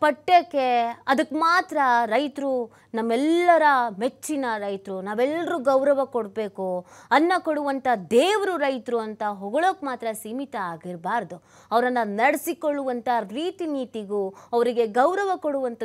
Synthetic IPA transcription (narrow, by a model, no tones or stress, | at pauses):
pɐʈːeːkːeɐd̪ɐkːmaːt̪ɾɐɾɐjt̪ɾu | nɐmːɛlːɐɾɐmet͡ʃːinɐɾɐjt̪ɾunaːʋɛlːɐɾuːɡɐwɾɐʋɐkoɽbeːkuɐnːɐkoɽuʋɐnt̪ʰɐd̪eːʋɐɾuɾɐjt̪ɾuɐnt̪ɐɦɔɡɐɭoːkmaːt̪ɾɐsimit̪ɐaːɡiɾbaːɾd̪u | ɐʋɐɾɐnːɐnɐɽesikoɭːuʋɐnt̪ʰɐɾiːt̪iniːt̪iɡuɐʋɐɾiɡe̞ɡɐwɾɐʋɐkoɽuʋɐnt̪ʰɐ